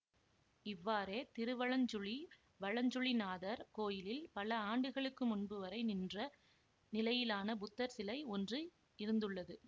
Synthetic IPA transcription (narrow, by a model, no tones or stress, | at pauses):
ɪʋːaːɾeːt̪ɪɾɯʋɐɭɐɲd͡ʒʊɭi | ʋɐɭɐɲd͡ʒʊɭinaːðɐɾkoːjɪlɪlpɐlɐaːɳɖɯɣɐɭɯkːɯmʊnbɯʋɐɾɐɪnɪndrɐ | nɪlɐjɪlaːnɐbʊt̪ːɐɾsɪlɐɪɔndri | ɪɾɯnd̪ɯɭːɐðɯ